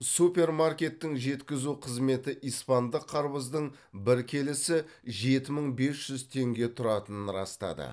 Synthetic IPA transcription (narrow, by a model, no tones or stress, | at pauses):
supʲe̞ɾmarkʲe̞t̪ːɪŋʒe̞t̪kʲɪzuqʰəzme̞t̪ɪʔijspɑnd̪əqʰːɑɾbəzd̪əɴ | bɪɾkʲʰe̞lɪsɪ | ʒe̞t̪ɪməɴbe̞sʒ̥ʏzt̪ʰe̞ŋɡʲe̞t̪ʰʊɾɑt̪ənənɾɑ̰st̪ɑ̰d̪ə̰